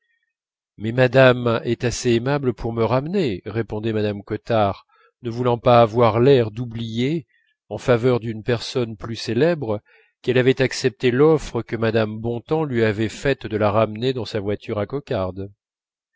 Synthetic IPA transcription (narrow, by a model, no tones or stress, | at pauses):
mɛmad̪amɛt̪aseːmabləpʰuʁməʁamneʁepɔ̃d̪ɛmad̪amkɔt̪aʁ | nəvulɑ̃paːvwaʁlɛʁd̪ublije | ɑ̃favœʁd̪ynpɛʁsɔnplyselɛbʁ | kɛlavɛt̪aksɛp̚t̪elɔfχəkəmad̪ambɔ̃t̪ɑ̃lɥiavɛfɛt̪d̪əlaʁamned̪ɑ̃savwat̪yʁakɔkaʁd̪